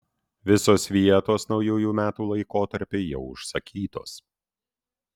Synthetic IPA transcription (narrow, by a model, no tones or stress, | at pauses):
ʋʲɪsoːsʋʲiɛt̪oːsnɒʊjuːjuːmʲæːt̪uːlˠɐɪkoːt̪ɐɾʲpʲeːjɛʊʊʃsɐkʲiːt̪o̰ːs